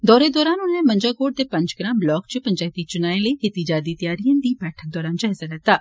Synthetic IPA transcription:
d̪ɔːɾed̪ɔːɾaːnʊnẽmə̃ɲd͡ʒaːkoːʈ̚d̪eːpə̃ɲd͡ʒɡɾãːmblɔːkt͡ʃpəɲd͡ʒaːit̪iːt͡ʃʊnaːẽləiːket̪id͡ʒaːd̪iːt̪ɪjaːɾijãːnd̪iːbɛːʈʰək̚d̪ɔːɾaːnd͡ʒaːɪsələt̪ːaː

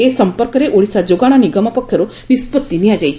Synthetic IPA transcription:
esəmpəɾkəɾeʔoɭisad͡ʒoɡaɽ̃aniɡəməpəkʰːəɾo | nispət̪ːiniad͡ʒaj

